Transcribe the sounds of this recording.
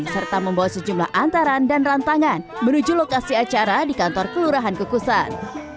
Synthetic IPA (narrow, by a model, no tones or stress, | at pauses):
sərt̪aməmbawasəd͡ʒumla̰hʔant̪aɾandanrant̪aŋanmənud͡ʒulokasiat͡ʃaɾadikant̪ɔrkəluɾaɦankukusan